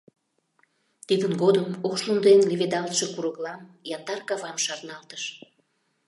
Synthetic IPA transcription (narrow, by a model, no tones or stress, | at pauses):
t̪id̪ənɡod̪əmokʃlund̪enleved̪ɑlt̪ʃekuɾəɣlɑmjɑnd̪ɑrkɑvɑmʃɑrnɑlt̪ə̥ʃ